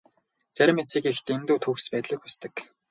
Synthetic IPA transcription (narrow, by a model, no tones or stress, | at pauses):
t͡sæɾʲɪ̆met͡siːkext̪ent̪uːt̪ʰuːxspæːt̪ɮɘ̆xust̪ɘ̆k